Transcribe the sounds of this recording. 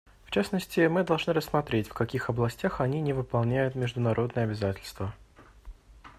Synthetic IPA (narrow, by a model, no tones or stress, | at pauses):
ft͡ɕasnəsʲtʲɪmɨd̪ɐlˠʐnɨɾəsːmɐt̪ɾʲetʲfʲkɐkʲixɐblˠɐsʲtʲaxɐnʲinʲɪvɨpɐlˠnʲæjʊt̪mʲɪʐd̪ʊnɐɾʔo̞d̪nəjəɐbʲɪzatʲɪlʲst̪və